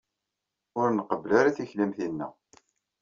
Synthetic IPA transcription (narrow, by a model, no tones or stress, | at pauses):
ʊɾnəqəvəlaɾaθiçlimθinːæ̰